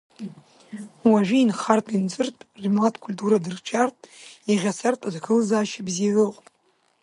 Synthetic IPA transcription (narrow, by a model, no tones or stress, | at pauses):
waʒʷᶣiinχartʼint͡sʼɨrtʼrimlatʰʼkʷʰulʲtʼuɾadɨrt͡ʃʷʰartʼiʁʲasartʼazkʰɨlzaːʃabzirɨqʷʼpʼ